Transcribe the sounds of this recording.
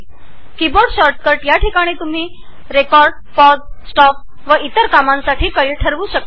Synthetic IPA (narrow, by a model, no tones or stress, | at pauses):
kiboɾɖɕɔɾʈ̪̚kəɾʈjaʈʰikaɽ̃iːt̪um̤iː | ɾekɔɾɖ | pɔɖsʈɔf̚ | ʋəit̪əɾkamãnsaʈʰiːkəɭiːʈʰəɾʋuːɕək̚